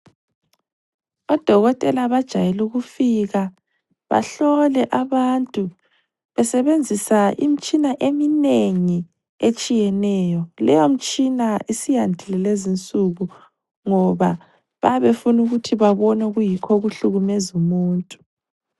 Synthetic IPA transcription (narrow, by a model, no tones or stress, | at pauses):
ɔd̥ʱɔɣɔtʼɛlaβad̥ʒ̥ʱajɛluɣufiɣa | βa̰ɬɔlɛʔaβantʼu | βɛsɛβend͡zʱisaḭm̩t͡ʃʼinaʔemineŋi | et͡ʃʼijɛnɛːjɔlɛjom̩t͡ʃʼinaisijandʱilɛlezint͡sʼuɣu | ŋɔβa | βaβefunuɣutʰiβaβɔnaɣujikʰɔɣuɬuɣumɛzumuːntʼu̥